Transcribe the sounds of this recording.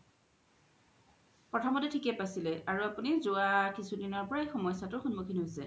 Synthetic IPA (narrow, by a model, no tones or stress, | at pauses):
pɹɔtʰɔmɔtɛtʰikɛpasilɛaɹuapunizʊakisʰudinɔɹpɔɹaexɔmɔjsatʊxunmukʰinɦojsɛ